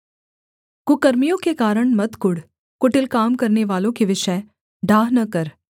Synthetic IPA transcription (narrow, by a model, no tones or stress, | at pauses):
kukɐɾmijõkekaːɾəɳmɐt̪kʊɽ | kʊʈɪlkaːmkəɾneʋaːlõkeʋɪʃə | ɖʱaːɦnɐkəɾ